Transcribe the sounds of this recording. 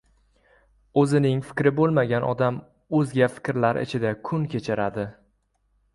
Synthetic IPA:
ɵzɪnɪŋfɪ̥kʲɾɪbolˠmaɡʲanʔɒ̰d̪am | ɵzɡʲafɪ̥kʲɾlaɾɪ̰t͡ʃʰɪd̪akʰʊnkʲʰe̞t͡ʃʰɪɾad̪ɪ

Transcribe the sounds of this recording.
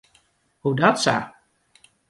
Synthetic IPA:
hudɔtsa̰

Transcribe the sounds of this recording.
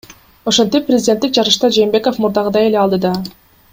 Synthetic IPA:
o̞ʃo̞nt̪ipːrʲɪzʲɪdʲet̪ːik̚d͡ʒɑɾɯʃt̪ɑd͡ʒe̞ːmbe̞ko̞fmuɾd̪ɑʁɯd̪ɑe̞leɑlˠd̪ɯd̪ɑ

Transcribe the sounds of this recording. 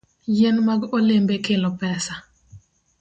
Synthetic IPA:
jenmaɡolembekɪlɔpɛsa

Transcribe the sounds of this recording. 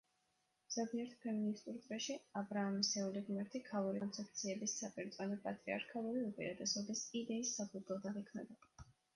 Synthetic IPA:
z̥abiɛɾt̪ʰpʰɛminist̪ʼuɾt̪ʼɾɛʃiabɾaːmisɛuliɡmɛɾt̪ʰikʰalˠuɾiɔnt̪sʰɛp̚t̪sʰiɛbisːapʼiɾt̪sʼwanɔpʼat̪ʼɾia̰ɾkʰalˠuɾiupʼḭɾat̪ɛsɔb̪isid̪ɛisːapʰuzlɔd̪aʁikʰvnɛ̰ba

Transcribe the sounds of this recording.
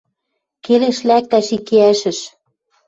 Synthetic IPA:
keleʃlæk̚t̪æʃikeæʃə̆ʃ

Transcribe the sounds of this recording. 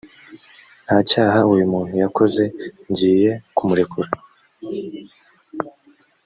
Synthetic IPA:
n̥haːcaːɦaujumun̥ujako̞ze̞ɲɟiːje̞kumuɾe̞kʰuɾa

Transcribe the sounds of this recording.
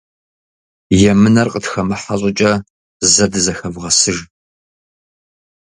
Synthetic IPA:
jɛmɨnɐrqʼətxɐmɨħaɕʼʊt͡ʃʼɐ | zɐdɨzɐxɐvʁɐsɨʒ

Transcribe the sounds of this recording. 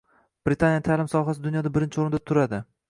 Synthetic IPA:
b̥ɾɪt̪ʰanjat̪ʰalɪmsɒɦasɪd̪ʊnjɒd̪abɪɾɪnt͡ʃʰɪoɾɪnd̪at̪ʰʊɾad̪ɪ

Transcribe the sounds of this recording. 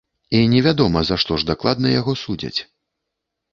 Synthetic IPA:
inʲɛvʲad̪ɔmɐzaʂt̪ɔʐd̪aklˠad̪̚nɐjaɣɔsud͡zʲɐ̰t͡sʲ

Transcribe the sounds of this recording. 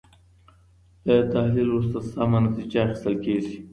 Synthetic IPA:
d̪at̪ahlilwus̬t̪asamanat̪id͡ʒaːxi̥st̪əlkeʐi

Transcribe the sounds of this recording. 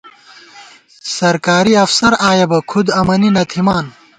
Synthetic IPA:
sɐɾkaːɾiɐfsɐɾaːjɐbɐkʰud̪ɐmɐninɐt̪ʰimaːn

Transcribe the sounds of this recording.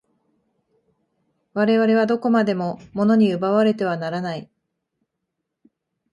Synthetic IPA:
βaɾe̞βaɾe̞β̞ad̪o̞ko̞mad̪e̞mo̞mo̞no̞ɲ̟iɯbaβaɾe̞t̪e̞β̞anaɾanai

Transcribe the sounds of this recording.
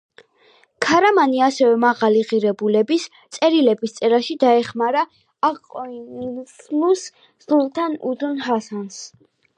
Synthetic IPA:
kʰaɾamaniasɛvɛmaʁaliʁiɾɛbulɛbis | t̪sʼɛɾilɛbist̪sʼɛɾaʃid̪aɛχmaɾaː | qʼɔinislus | zulˠt̪ʰanṵzunɦasans

